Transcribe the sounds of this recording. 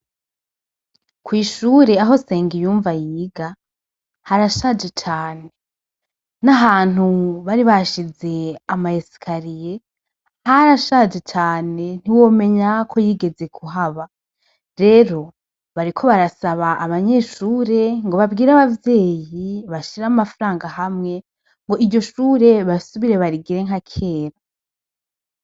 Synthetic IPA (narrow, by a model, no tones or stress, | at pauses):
kwiːʃuːɾe̞aɦo̞se̞ːŋɡijuːɱvajiːɡa | haɾaʃaːd͡ʒet͡ʃaːne̞ | naɦaːn̥huβaɾiβaʃize̞amaesi̥kʰaɾije̞ | haɾaʃad͡ʒet͡ʃaːne̞n̥iwo̞ːme̞ɲakʰo̞jiːɡe̞ze̞kʰuɦaβa | ɾe̞ɾo̞ | βaɾikʰo̞βaɾasaβaʔːβaɲe̞ːʃuːɾe̞ŋɡo̞βabɡiːɾaβavje̞ːjiβaʃiɾamafaɾaːŋɡahamŋe̞ | ŋɡo̞ʔiɟo̞ʃuːɾe̞βasuβiɾe̞βaɾiɡiɾe̞ŋ̥hakʰe̞ːɾa